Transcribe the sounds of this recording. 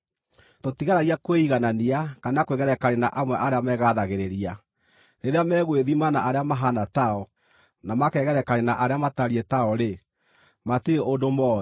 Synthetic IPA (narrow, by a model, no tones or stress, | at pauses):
totiɣaɾaɣiakweiɣananiakanakweɣɛɾɛkaɾenaʔamwɛʔaɾeamɛɣaðaɣeɾeɾia | ɾeɾeamɛːɣweðimanaʔaɾeamaɦanataɔ | namakɛːɣɛɾɛkaɾenaʔaɾeamataɾietaɔɾe | matieʔondomɔːɛ